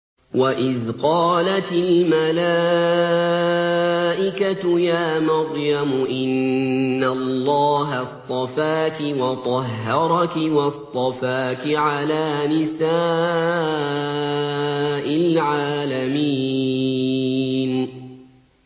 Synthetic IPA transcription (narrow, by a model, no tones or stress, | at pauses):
waʔɪðqɑːlat̪ɪlmalaː | ʔɪkat̪jaːmɑɾˤjamʊʔɪnː | allːɑːɦast̪ˤɑfaːkɪwɑt̪ˤɑɦːɑɾˤɑkɪwɑst̪ˤɑfaːkɪʕalaːnɪsaː | ʔɪlʕaːlamiː | n